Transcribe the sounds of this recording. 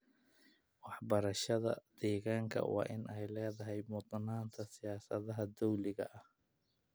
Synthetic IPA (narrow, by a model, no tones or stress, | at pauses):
wɑħbɐɾɐʃɐðɐ̰d̪̥ɛːɣaːŋkʰɐ̰wɑ̰ːʔɪnɛjlɛːðɐɦɛjmʊd̪naːnt̪ʰɐsɪjaːsɐðɐɦɐd̪ɔwlɪɣɐ̰ʔɐh